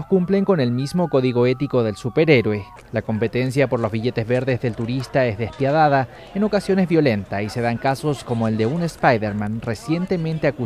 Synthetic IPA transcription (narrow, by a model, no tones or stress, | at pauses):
kumple̞ŋko̞ne̞lmizmo̞ko̞ðiɣo̞e̞t̪iko̞ðelsupe̞ɾeɾwe̞ | lako̞mpe̞t̪e̞ns̬japo̞ɾlo̞zβiʝe̞t̪ezβe̞ɾðe̞zðe̞lt̪uɾist̪ae̞zðe̞spjað̞að̞a | eno̞kasjo̞nezβjo̞le̞nt̪aise̞ðaŋkaso̞sko̞mo̞e̞ld̪e̞unespajðeɾmãnre̞sje̞nt̪e̞mẽnt̪e̞aku